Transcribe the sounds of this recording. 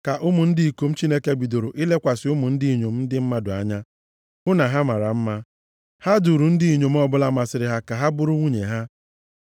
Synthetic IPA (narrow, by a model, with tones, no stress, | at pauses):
ka˨ʔʊ˦mu˨n̩˦di˦i˨ko˨m̩˦t͡ʃi˦ne˦ke˦bi˨do˨ɾo˨ʔi˦le˦kʷa˨sɪ˨ʊ˦mʊ˨n̩˦di˦i˨ɲo˨m̩˦dɪ˦m̩˦ma˦dʊ˨a̰˦ɲa˦ | ʊ˦na˨ɦa˦ma˨ɾa˨m̩˦ma˦ | ha˦du˨ɾu˨n̩˦di˦i˨ɲo˨m̩˦ɔ˦bʊ˦la˦ma˨sɪ˨ɾɪ˨ɦa˦ka˨ɦa˦bʊ˦ɾʊ˦ŋʷu˦ɲe˨ɦa˦